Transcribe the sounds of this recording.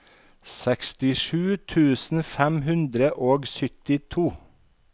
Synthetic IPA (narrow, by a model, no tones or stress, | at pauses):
sɛkst̪ɪʃʉːt̪ʰʉːsn̩fæmhʉnd̪ɾəʔoːɡsʏt̪ɪt̪ʰuː